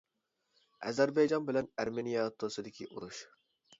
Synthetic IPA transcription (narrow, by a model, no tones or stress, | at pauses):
ɛ̰zæɾbɛjd͡ʒɑnbɪlɛnæɾmenijɑt̪ʰosɨd̪ɪkʲʰiʔuɾuʃ